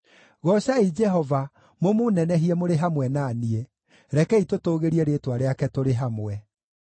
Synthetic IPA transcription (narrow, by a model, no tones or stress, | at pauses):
ɣɔʃaid͡ʒɛɦɔva | momonɛnɛɦiɛmoɾeɦamwɛnanie | ɾɛkɛitotoːɣeɾiɛɾetwaɾeakɛtoɾeɦamwɛ